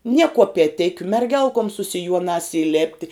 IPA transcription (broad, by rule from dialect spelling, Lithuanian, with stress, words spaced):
nʲiɛ kuɔpʲiɛˈtʲɪkʲʊ mʲɛrʲˈɡʲɛlˠkoːm sʊ sʲɪˈjuɔnɑːs iːˈlʲeːpʲtʲɪ